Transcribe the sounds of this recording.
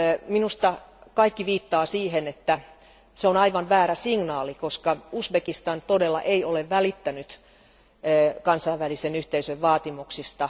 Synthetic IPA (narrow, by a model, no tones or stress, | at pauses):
minust̪ɑkɑikːiʋiːt̪ːɑːsiːhenet̪ːæ | seonɑiʋɑnʋæːɾæsiŋnɑːlikoskɑusbekist̪ɑnt̪odelːɑ̰ʔeioleʋʋælit̪ːænyt̪ː | kɑnsɑiʋʋælisenyht̪eisøʋʋɑːt̪imuksist̪ɑ